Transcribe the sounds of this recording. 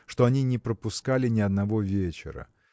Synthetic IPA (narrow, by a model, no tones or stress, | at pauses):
ʂt̪o̞ɐnʲinʲɪpɾəpʊskalʲɪnʲɪɐd̪nɐvo̞vʲet͡ɕɪ̰ɾə̰